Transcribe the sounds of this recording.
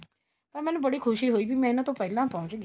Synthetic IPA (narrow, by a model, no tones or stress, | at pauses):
t̪ãmɛ̃ːnũbəɽikʰʊʃiɦoːibimɛ̃ɪnãt̪opəɪlãpɔ̃ʊ̃t͡ʃɡ